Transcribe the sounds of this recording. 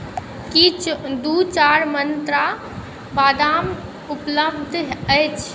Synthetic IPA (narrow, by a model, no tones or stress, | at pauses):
kit͡ʃʰd̪ut͡ʃaɾmənt̪ɾa | bad̪am | upləbd̪ʱəjt͡ʃʰ